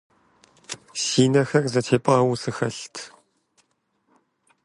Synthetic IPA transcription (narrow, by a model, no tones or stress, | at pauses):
siːnɐxɐrzɐtʰeːpʼaːwusɨxɐɬtʰ